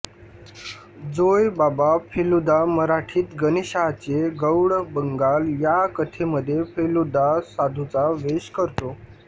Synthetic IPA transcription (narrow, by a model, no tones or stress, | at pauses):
d͡zojbabapʰelud̪aməɾaʈʰiːt̪ɡəniɕaɦt͡ɕeɡəwɽbəŋɡaljakət̪ʰeməd̪ʱːjefʰelud̪asad̪ʱut͡saʋeɕkəɾt̪o